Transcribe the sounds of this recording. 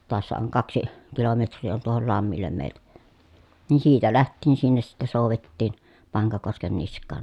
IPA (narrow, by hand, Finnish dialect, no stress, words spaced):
toɑsːɑ oŋ kɑksi kilometrˑiː on tuohol lɑmːilːem meˑi̯ltæ niː siːtæ læhtˑiːn sinːes sitːe soˑuʋetːiːn pɑŋkɑkosken niskˑɑːn